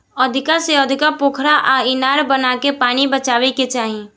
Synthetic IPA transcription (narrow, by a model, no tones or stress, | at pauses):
ɔd̪ʱɪkaseɔːd̪ʱɪkapoːkʰɾaʔaɪnaːɾbənaːkepaːñibət͡ʃaːʋeket͡ʃaːɦie